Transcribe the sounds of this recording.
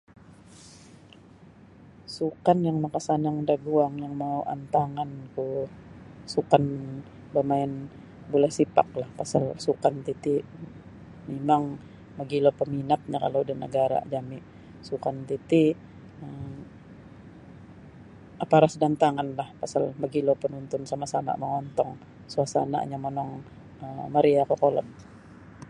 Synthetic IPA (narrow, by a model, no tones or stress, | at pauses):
sukanjaŋnakasanaŋdaɡuaŋjaŋmawʔa̰nt̪aŋanku | sukan | bamaɪn | bolɛhsipa̰k̚lahpasalsukant̪it̪i | memaŋ | maɡilopəminat̪̚ɲaka̰lodanəɡaɾa̰d͡ʒamɪʔ | sukant̪it̪i | ə | apaɾasdant̪aŋanlahpasalmaɡilopənunt̪ʊnsamasama̰məŋɔnt̪ɔŋ | suasa̰na̰ɲamɔnɔŋ | əmaɾiakɔkolɔ̰t̪̚